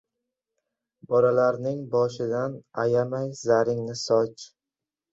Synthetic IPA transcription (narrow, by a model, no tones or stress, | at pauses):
bɒlalaɾnɪŋbɒʃɪd̪anajamajzaɾɪŋnɪsɒt͡ʃ